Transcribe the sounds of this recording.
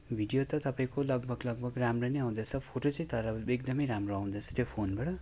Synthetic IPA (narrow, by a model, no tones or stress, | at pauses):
bʱiɽijot̪ʌt̪ʌpaĩkolʌɡ̚bʱʌɡlʌɡ̚bʱʌɡramroneaw̃d̪et͡sʰʌpʰoʈot͡sʌ̃ĩt̪ʌɾʌek̚d̪ʌmʌjɾamroaw̃d̪ʌt͡sʰʌ̥t̪jopʰonbaɽʌ